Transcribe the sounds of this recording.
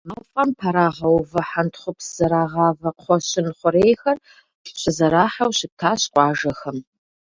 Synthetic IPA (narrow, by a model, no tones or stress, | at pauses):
aːwfʼampʰɐɾaːʁɐwvɐħantχʷʊpsz̥ɐɾaːʁɑːvɐqʰʷɔɕɪnχʷʊɾejxɐrʼ | ɕɪzɐɾaːħawɕɪp̚tʰaːɕqʷʼɑːʒɐxɐm